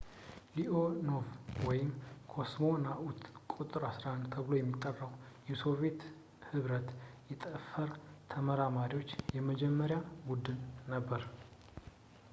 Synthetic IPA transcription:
liʔono̞vwɔjɪmkʰo̞smo̞naʔut̪kʼut̪ʼɨɾasɾant̪ʰəβɨlo̞jɛmːit̪ʼːərːəwjɛso̞vje̞t̪ | hɨβɾət̪jɛt̪ʼəfəɾt̪ʰəməɾamaɾiwo̞t͡ʃːjɛməd͡ʒɛmːəɾjabud̪ɨnːəbːəɾ

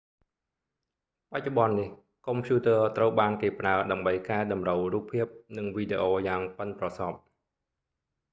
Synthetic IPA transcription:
pac̚t͡ɕoɓɑnːih | kompʰjuːt̪əət̪rəwɓaːnkeːpraəɗaəmɓəjkaɛɗɑmrəwruːpʰːiəp̚nɨŋʋiːɗeːʔoːjaːŋpənprɑsɑp̚

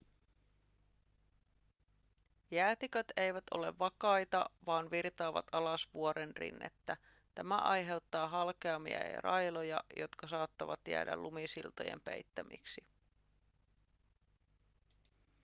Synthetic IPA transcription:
jæːt̪ikøt̪e̞jʋæt̪o̞̰le̞̰ʋːɑkɑjt̪ɑʋɑːnʋirt̪ɑːʋɑ̰t̪ɑlɑsʋuoɾenrḭnːḛt̪ːæ | t̪æmæʔɑjɦe̞wt̪ːɑːɦɑlkeɑmːiɑ̰jɑ̰rʔɑjlojɑjo̞t̪kɑsɑːt̪ːɑʋɑt̪jæ̰ːdæ̰lːumisilt̪oje̞̰mpḛjt̪ːæmḭksi

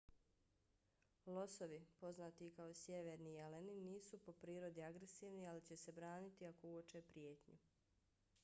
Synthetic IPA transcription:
lˠo̞so̞ʋipo̞znaːt̪ikaosjeʋeːɾnijeleniniːsupo̞pɾiːɾo̞d̪iaɡɾe̞siːʋnialit͡ɕe̞se̞bɾaːnit̪iako̞uot͡ʃepɾijeːt̪ɲu

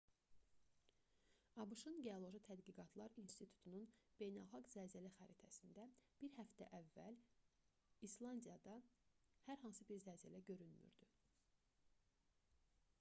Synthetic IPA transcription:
ɑbɯʃɯnɟeolˠo̞ʒit̪ʰæd̪ɡiɡɑt̪ʰlˠɑɾinst̪it̪ʰu̥t̪ʰununb̥e̞jnælˠxɑɡzæːzælæxæɾit̪ʰæsind̪æb̥iɾhæft̪æ̰ʔævːæl | islˠɑnd̪ijɑd̪ɑhæɾɦɑnsɯbiɾzæːzælæɟø̞ɾynmy̰ɾd̪̥y

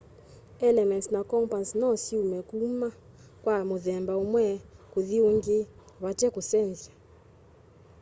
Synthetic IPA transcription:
ɛlɛmɛntsnakɔmpansnɔsiumɛkuma | kwamuðɛmbaumwɛkuðiuŋɡi | βatɛkusɛnza

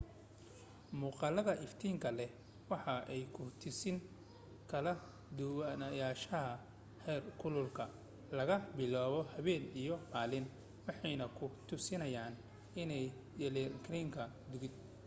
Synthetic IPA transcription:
muːqɑlɐðɐʔɪft̪ʰiːŋkʰɐlɛ | wɑħɑʔɛjkʰʊt̪ʰɪsɪŋ | kʰɐlɐ | d̪ʊwɐnɐjaːʃɐɦɐ | hɛːrkʰʊlʊlkʰɐ | lɐɣɐbɪlaːβɔhɐβɛːnijɔmaːlɪn | wɑħɑjnɐkʰʊt̪ʰʊsɪnɐjaːn | ɪnɛj | d̪ɛlɛkʰɾiːŋkʰɐ | d̪ʊɣɪd̪̚

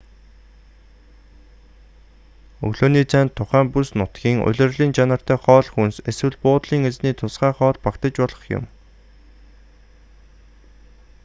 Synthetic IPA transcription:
ɵ̰ɣɮoːniːt͡sæːnt̪ʰːʊχæːmpusnʊt̪ɡʲiːŋʊ̰ɮʲɪ̆rɮiːnt͡ɕanə̆r̥t̪æːχɔːɮxunseswɘ̆ɮpʊːt̪ɮiːŋet͡sniːt̪ʰʊsχæːχɔːɮpakt̪ə̆t͡ɕpɔɮə̆χjʊ̰m

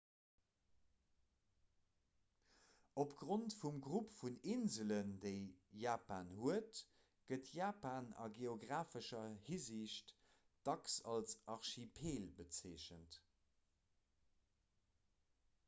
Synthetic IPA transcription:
opɡ̥ʁontfumɡʁupfuninzələndeɪjaːpaːnhuət | ɡ̥ətʰjaːpaːnɑ̰ɡeoɡʁaːfəʃɐhiziʃt | d̥ɑksɑlsʔɑʁʃipʰeːlbət͡seːʃənt

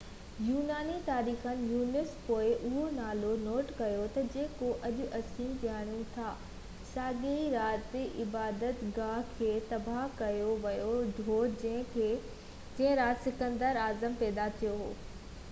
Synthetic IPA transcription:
juːnaːnit̪aːɾiːxənɪ̆juːnɪspoːɪʔʊɦonaːlonoːʈkɐjot̪ɐd͡ʑeːkoʔɐʄʊʔɐsiːmkaːɽ̃jũt̪ʰaː | saːɡeiɾaːt̪ʔɪbaːd̪ət̪ɡaɦkʰeːt̪ɐbʱaɦkɐjoʋɐjoɖʱoːd͡ʑɐ̃ɦɪ̃kʰeː | d͡ʑɐ̃ɦɪ̃ɾaːt̪sɪkə̃nd̪əɾaːzəmpɛːd̪at̪ʰijoɦo̰ː

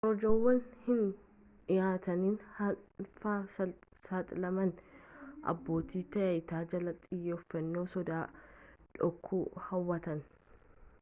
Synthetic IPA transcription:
ʔɔɾɔd͡ʒowːɐnhɪn | ɪjaːt̪ɐniːnhɐfasɐsɐt̪ʼlɐmɐnʔɐ̰bːo̞ːt̪ʰiːt̪ɐjɐjt̪aːd͡ʒɐlɐt̪ʼːɪjːɛʊfːɐnːoːsɔd̪aːᶑɔkʰːuːhɐwːɐt̪ɐn

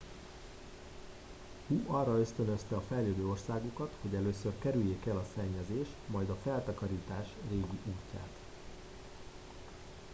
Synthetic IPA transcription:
huɒrːɒø̞st̪ø̞nø̞st̪ɛɒfɛjløːd̪øːo̞rsaːɡukɒt̪ho̞ɟɛløːsørkɛɾyjːeːkɛlɒsɛɲːɛzeːʃt̪mɒjd̪ɒfɛlt̪ɒkɒɾiːt̪aːʃreːɡiʔuːcːa̰ːt̪

